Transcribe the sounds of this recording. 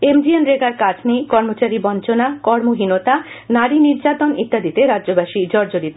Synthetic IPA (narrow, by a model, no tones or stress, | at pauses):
emd͡ʑienɾeɡaɾkad͡ʑʰnekɔɾmot͡ɕaɾibɔnt͡ɕonakɔɾmoɦinot̪anaɾiniɾd͡ʑat̪onḭt̪ːad̪it̪eɾadːd͡ʑobaʃid͡ʑɔɾd͡ʑoɾit̪